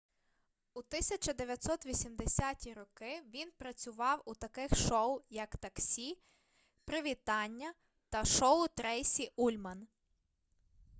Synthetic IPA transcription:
ut̪ɪsʲɐt͡ʃɐd̪eʋʲjɐt̪sɔt̪ʋʲisʲimd̪esʲatʲiɾɔkɪʋʲinpɾɐt͡sʲʊʋɑwut̪ɐkɪxʃɔʊjɐkt̪ɐksʲi | pɾɪʋʲit̪ɑnʲːɐ | t̪ɐʃɔʊt̪ɾɛjsʲiulʲmɐn

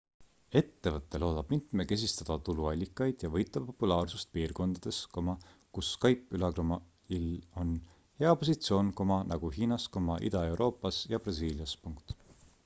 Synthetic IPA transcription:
e̞t̪ːe̞vɤt̪ːˑe̞lo̞ːd̪ɑb̥mint̪meke̞s̬ʲist̪ɑd̪̥ɑt̪uluɑlʲːikːˑɑjd̪̥jɑvɤjt̪ːˑɑppːo̞pːulɑːrsust̪̚piːrko̞nd̪̥ɑd̪̥e̞sko̞mɑkusːkɑjpːˑylɑɡɾomɑ | ilo̞n | he̞ɑpo̞sit̪sio̞ːnko̞mɑnɑɡ̥uɦiːnɑsko̞mɑʔḭd̪̥ɑe̞wɾʔo̞ːpːˑɑsjɑb̥rɑsiːljɑspuŋkt̪

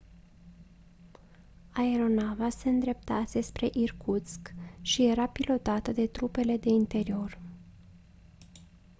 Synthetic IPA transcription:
ae̞ɾo̞navase̞ɨnd̪ɾe̞p̚t̪ase̞spɾe̞ʔirkʰut̪skʃije̞ɾapilo̞t̪at̪əd̪e̞t̪ɾupe̞le̞d̪e̞int̪e̞ɾio̞r

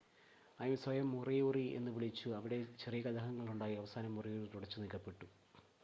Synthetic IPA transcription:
ɐːðumsʋɐjɐmːurijuːrie̞̰nːɨʋiɭit͡ɕːuɐʋiɽe̞t͡ɕerijɐkɐd̪ɐɦɐŋːɐɭuɳɖaːjiɐʋɐsaːnɐmːurijuːrit̪uɽɐt͡ɕːunilkːɐpːe̞ʈːu

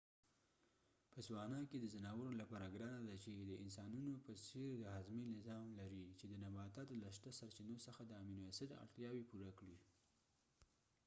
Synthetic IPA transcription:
pəswɑnɑked̪əzanɑwəɾolapɑɾaɡɾɑnad̪at͡ʃed̪əɪnsɑnunopəseɾd̪əhazminɪzɑmlaɾit͡ʃed̪ənabɑt̪at̪laʃt̪asaɾt͡ʃinosəxad̪əaminwasət̪a̰ɽt̪jɑwepuɾakɽi

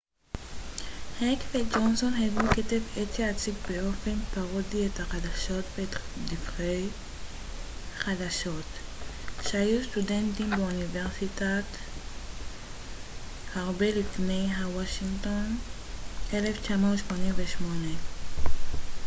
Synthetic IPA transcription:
hekved͡ʒonsonɦeɡuketevetjeat͡sikbeʔo̞fe̞npaʁodiethaχadaʃo̞tvetdifʁej | χadaʃo̞t | ʃeajust̪udentimbeuniveʁsitat | haʁbelifne̞jɦawaʃiŋto̞n | ʔele̞ft͡ʃamauʃmo̞nimveʃmone

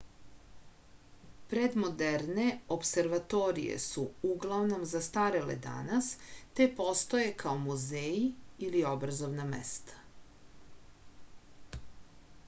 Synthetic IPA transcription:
pɾed̪mo̞d̪eɾne̞opse̞ɾʋat̪o̞ɾḭjḛsuuɡlˠaʋno̞mzast̪aɾelḛd̪a̰nast̪e̞po̞st̪o̞jekʰaomuzejiilio̞bɾazo̞ʋnamḛst̪ʰḁ

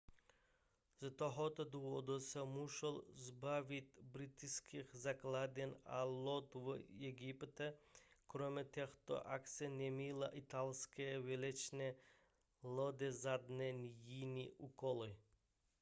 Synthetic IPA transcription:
zat̪ɔɦɔt̪ɔd̪uʋɔd̪usamuʃɛlzbaʋʲit̪ʲbɾit̪iskixzaklˠad̪ʲɛna̰lɔt̪ʋjɛɡipt̪ɛkɾɔmʲɛt̪ʲɛxt̪ɔ̰ʔaksɛnʲɛmila̰ʔit̪alskɛʋɛlʲɛt͡ʃnɛ | lˠɔd̪ɛzad̪nɛnʲjinʲiʔukɔli

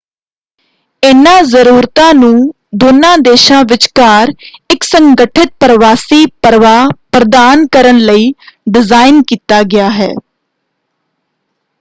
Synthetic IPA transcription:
ɪnãːzəɾuːɾt̪ãːnũː | d̪oːnãːd̪eːʃãːʋɪt͡ʃkaːɾɪksəŋɡəʈʰɪt̪̚pəɾəʋaːsiːpəɾʋaːpɾəd̪aːnkəɾənləiːɖɪzaːɪnkiːt̪aːɡɪjaːɦɛ̰ː

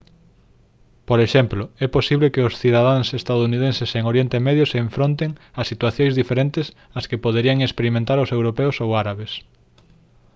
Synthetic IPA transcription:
poɾeʃɛmplʊɛposiβlekɪʊsθiðað̞aŋsest̪aðounið̞ẽnseseŋoɾjent̪emɛðjʊseːɱfɾõnt̪eŋasit̪waθjõjzðifeɾent̪ɪs | askepoðeɾiaŋekspeɾimẽnt̪aɾʊsewɾopɛʊsowaɾaβes

